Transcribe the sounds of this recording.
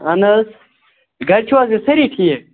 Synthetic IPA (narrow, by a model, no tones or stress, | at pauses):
ɐnɐs | ɡɐɾt͡ʃʰuwazisɐɾiʈʰije